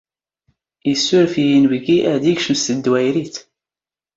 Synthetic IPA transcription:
jəsːʊɾfijinvɡiʔæd̪iɡʃəmst̪əd̪ːwæjɾiθ

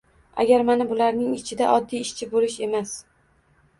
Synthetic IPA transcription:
a̰ɡʲaɾmanabʊlaɾnɪŋɪt͡ʃʰɪd̪aʔɒd̪ːijɪʃt͡ʃʰɪbolɪʃe̞mas

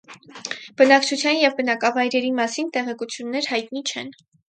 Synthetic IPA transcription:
b̥ənɑkt͡ʃʰut͡sʰjɑnjɛvbənɑkɑvɑjɾɛɾimɑsint̪ɛʁɛkut͡sʰjunːɛɾhɑjt̪nit͡ʃʰɛ̰n

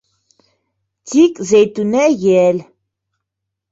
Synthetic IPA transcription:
d̪ikʼzɛjt̪ʼunɛjɛl

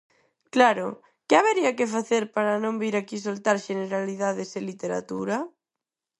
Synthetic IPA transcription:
klaɾo̰ | keaβ̞eɾiakefaθeɾpaɾanõmbiɾakis̬olt̪aɾʃeneɾaliðað̞eselit̪eɾa̰t̪uɾa

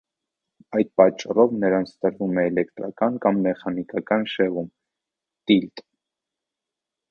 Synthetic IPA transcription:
ɑjd̪̚pɑt͡ʃːɑrɔvnəɾɑnt͡sʰt̪əɾvumɛːlɛkt̪ɾɑkɑnkɑmmɛχɑnikɑkɑnʃɛvum | t̪ilt̪ʼ

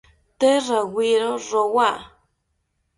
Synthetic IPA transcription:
t̪erawiɾoɾowa

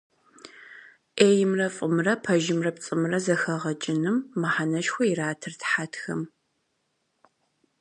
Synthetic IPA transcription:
ʔeːjɪmrɐfʼɨmrɐpʰɐʒɪmrɐpt͡sʼɨmrɐzɐxɐʁɐt͡ʃʼɪnɨmːaħanɐʃxʷɔiraːtʰɨrtħatʰxɐm

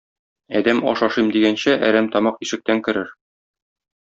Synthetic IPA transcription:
æd̪æmɒ̰ʃɒʃɤjmd̪iɡænɕæʔæ̰ɾæmt̪ɒmɑqiʃɘ̆k̚t̪æŋkɘ̆ɾɘɾ

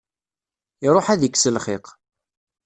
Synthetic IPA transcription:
iɾˤoħæðəkːsəlχɪq

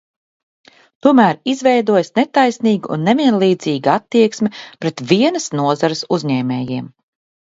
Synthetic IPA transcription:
t̪uɔmæːɾizvɛjd̪uɔjasnet̪ajsniːɡuʔṵnːeviɛnlˠiːd̪ziːɡaat̪ːiɛksmɛpɾet̪vʲiɛnɐsnuɔzaɾɪsuzɲɛːmɛːjiɛm

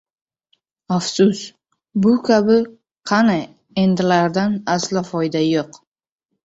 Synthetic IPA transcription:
afsʊs | bʊkʲʰabɪ | qʰɑna | end̪ɪlaɾd̪anaslɪfɒjd̪ajoq

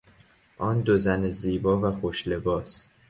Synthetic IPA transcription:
ʔɒːnd̪ozæneziːbɒːvæxoʃle̞bɒːs

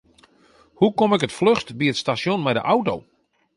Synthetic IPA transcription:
hukomɪkətfløxtbiətstasjonmɛjdə̰ʔawtow

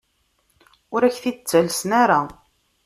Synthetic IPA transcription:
ʊɾæçθit͡sːəlsnaɾa

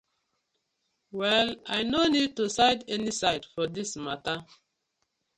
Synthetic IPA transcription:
wɛlajnonid̚tusaɪdɛnisaɪdfɔdismatə

